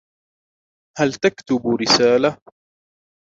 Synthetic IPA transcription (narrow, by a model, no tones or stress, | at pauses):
halt̪akt̪ʊbɾɪsaːla